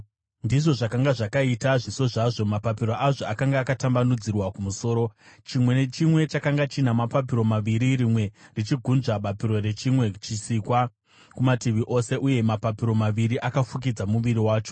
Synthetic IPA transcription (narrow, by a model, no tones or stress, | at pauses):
ndiʐo̞ʐakaŋɡaʐakaitaʐiso̞ʐaʐo̞mapapiɾo̞ʔaʐo̞akaŋɡaːkatambanud͡zirwakumuso̞ːɾo̞t͡ʃimwe̞ne̞t͡ʃimwe̞t͡ʃakaŋɡat͡ʃinamapap̬iɾo̞maʋiɾiɾimwe̞rit͡ʃiɡʱunʐaɓapiɾo̞re̞t͡ʃimwe̞t͡ʃisikwa | kumatiʋiʔo̞se̞ʔuje̞mapapiɾo̞maʋiɾiʔakafuk̬id͡zamuʋiɾiwaːt͡ʃo̞̥